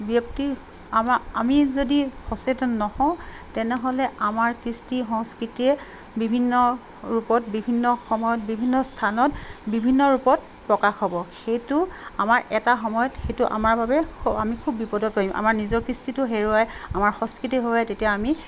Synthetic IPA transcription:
bjɔkti | amamizodixɔsetɔnːɔhɔ̃ʊ̃ | tɛnɛɦɔlɛʔamaɹkɹistixɔ̃ŋskɹitiɛ | bibʱinːɔ | ɹupɔtbibʱinːɔxɔmɔjɔt̚bibʱinːɔstʰanɔtbibʱinːɔɹupɔt̚ | pɹɔkaxɦɔbɔxejtuamaɹʔɛtaxɔmɔjɔtxejtʊʔa̰maɹbabɛkʰamikʰubːipɔdɔpɹoimʔa̰maɹnizɔɹkɹistitʊɦeɹuajamaɹxɔ̃ŋskɹitiɦoajtetijaːmi

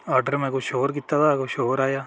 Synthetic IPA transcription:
ɔːɾɖəɾmɛ̃ːkoʃoːɾk̬ɪt̪ːat̪ʰakoʃoːɾaːjaː

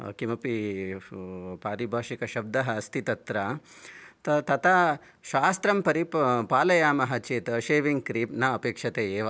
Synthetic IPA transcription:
kimɐpi | paːɾibʱaːʃikɐʃɐb̚d̪ɐɦɐːst̪ʰit̪ɐt̪ɾɐ | t̪ɐt̪ɐt̪ʰɐ | ʃaːst̪ɾɐmpɐɾippaːlɐjaːmɐɦɐt͡ʃeːt̪ɐʃeːʋiŋɡ̚kɾiːpnaɐpeːkʂɐt̪eːeːʋɐ

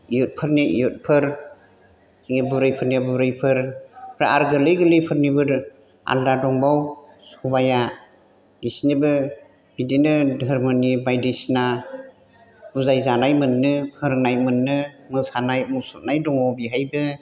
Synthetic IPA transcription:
ijut̚pʰɯɾniḭjɔt̚pʰɯɾ | iŋibɯɾɯjpʰɯɾniabɯɾɯjpʰɯɾpʰɾaaɾɡɯlɯjɡɯlɯjpʰɯɾnibɯɾ | a̰ldadɔŋbaw | subaja | isnibɯ | hidinɯdɯɾmɯnibajdisna | huzajzanajmɯnːɯpʰɯɾŋnajmɯnːɯmɯsanajmusut̚najdɔŋawbiɦajbɯ

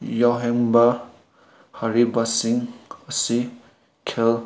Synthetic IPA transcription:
jawɦeŋba | haɾibasiŋɐsi | kʰel

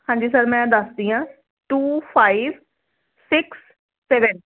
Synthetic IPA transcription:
hãːɲd͡ʒiːsəɾmɛ̃ːd̪əsd̪iːãː | ʈuːpʰaːiʋ | sɪksː | ɛːʋən

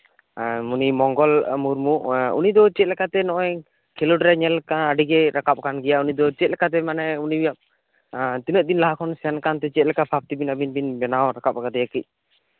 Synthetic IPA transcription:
unimɔŋɡɔlmuɾmuʔṵnid̪ɔt͡ʃɛt̪̚lɛkat̪ɛnɔʔɔj | kʰɛloʈɾɛɲɛlkaəɖiɡɛɾakap̚kanɡɛjaʔunid̪ɔt͡ʃɛt̪̚lɛkat̪̬ɛmanɛunibijam | t̪inəʔ̚d̪inlaɦakʰɔnsɛankant̪ɛt͡ʃɛt̪̚lɛkapʰap̚t̪ibinabinbinbɛnawɾakap̚akad̪ɛjakic̚

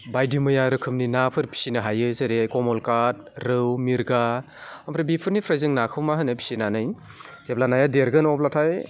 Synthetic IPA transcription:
bajdimɯjaɾɯkʰɯmninapʰɯɾpʰi̥sinɯɦajɯzɯɾekɔmɔlkat̚ | ɾɯwmiɾɡa | ampʰɾebipʰɯɾnipʰɾajzɯŋnakʰɯwmaɦɯnɯjpʰi̥sinanɯj | z̥ep̚lanajadeɾɡɯnɔplatʰaj

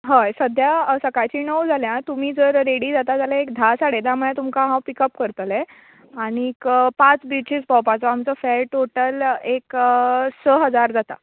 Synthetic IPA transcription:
ɦəjsəd̪ʱjasəkajt͡ɕiːnəwd͡zʱaljãt̪um̤iːd͡zəɾɾeɽiːd͡zat̪ad͡zalãekd̪ʱasaɽet̪jam̤əɭãt̪umkaɦãwpikəpkəɾt̪lɛ | aɽ̃ikpat͡sbit͡ɕit͡sbawpat͡sɔamt͡səfɛlʈoʈəleksəɦəd͡zaɾd͡zat̪a̰

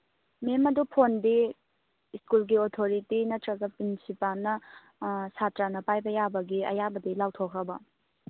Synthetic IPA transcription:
memɐdupʰondi | iskulɡiotʰoɾitinɐtɾɐɡɐpɾinsipalnɐ | satɾanɐpajbɐjabɐɡiɐ̰jabɐdilawtʰokʰɾɐbɐ

